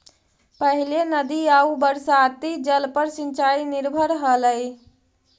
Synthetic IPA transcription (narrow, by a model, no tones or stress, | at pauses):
pəɦilenəd̪iaubəɾsat̪id͡ʒəlpəɾsint͡ʃainɪɾbʱəɾɦələj